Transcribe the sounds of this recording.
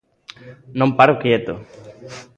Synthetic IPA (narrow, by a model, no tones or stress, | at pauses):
nõmpaɾokjet̪o